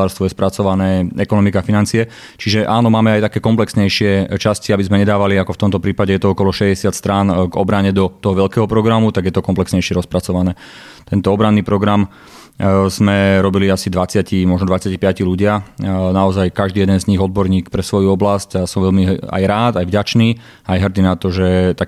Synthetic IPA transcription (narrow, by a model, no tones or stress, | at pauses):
aːɾst̪ʋɔjɛspɾat͡sɔʋanɛːɛkɔnɔmikafinant͡siɛ | t͡ʃiʒɛʔaːnɔmaːmɛajt̪akɛːkɔmplɛksɲɛjʃɪɛt͡ʃasciabizmɛɲɛd̪aːʋaliakɔft̪ɔmt̪ɔpɾiːpaɟɛjɛt̪ɔɔkɔlɔʃɛɟɛsɪat̪st̪ɾanɡɔbɾaɲɛd̪ɔt̪ɔɦɔʋɛʎkɛːɦɔpɾɔɡɾamut̪aɡjɛt̪ɔkɔmplɛksɲɛjʃɪɛɾɔspɾat͡sɔʋanɛː | t̪ɛnt̪ɔɔbɾanːiːpɾɔɡɾam | z̥mɛɾɔbiliasid̪ʋat͡sɪacimɔʒnɔd̪ʋat͡sɪacipɪaciluɟɪanaɔzajkaʒd̪iːjɛd̪ɛnzɲiɣɔd̪̚bɔɾɲiːkpɾɛsʋɔjuɔblascasɔmʋɛʎmia̰jɾaːt̪ajvɟat͡ʃniː | ajɦrd̪inat̪ɔʒɛt̪ak